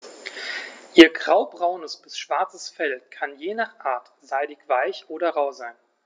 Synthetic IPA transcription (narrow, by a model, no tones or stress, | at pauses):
ʔiːɐɡʁaʊbʁaʊnəsb̥ɪsʃv̥aɐt͡səsfɛlkʰanjeːnaːχʔaːɐt | z̥aɪdɪçv̥aɪçʔoːɾɐʁaʊzaɪn